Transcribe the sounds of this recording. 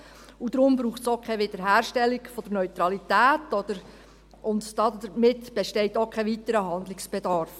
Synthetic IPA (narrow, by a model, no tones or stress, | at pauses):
ud̥̪ɾʊmbɾuːχtsokʰɛʋɪd̥̪əɾɦæːɾʃtɛlːikfɔd̥əɾnœʏt̪ɾɑlitæːtɔd̪əɾ | ʔʊndd̥ɑdəmɪtb̥ɛʃtɛɪtokʰɛʋit̪əɾəɦɑnd̪lɪksb̥ed̪ɑɾf